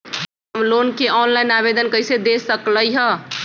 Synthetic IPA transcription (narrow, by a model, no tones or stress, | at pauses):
əmlonkeɔnlajnabed̪ənkəjsed̪esəkləjɦə